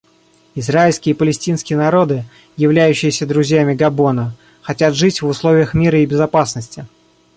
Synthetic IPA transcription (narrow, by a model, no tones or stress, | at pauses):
ɪzɾaɪlʲskʲɪəɪpəlʲɪsʲtʲinskʲɪjənɐɾo̞d̪ɨ | jɪvlʲæjʉɕːɪjɪsʲəd̪ɾʊzʲjamʲɪɡɐbo̞nə | xɐtʲat̪ʐɨtʲvʊslˠo̞vʲɪjəxmʲiɾəɪbʲɪzɐpasnəsʲtʲɪ